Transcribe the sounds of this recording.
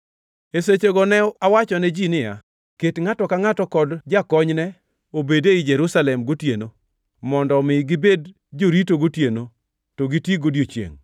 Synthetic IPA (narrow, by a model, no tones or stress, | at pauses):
eset͡ʃoɡɔnɛawat͡ʃɔnɛd͡ʒinɪja̰ | ketŋatɔkaŋatɔkɔdd͡ʒakɔɲnɛ | obedeɪd͡ʒɛɾusalɛmɡotjeno | mɔndɔmɪɡɪbed | d͡ʒoɾitoɡotjeno | toɡitjiɡodjot͡ʃḛŋ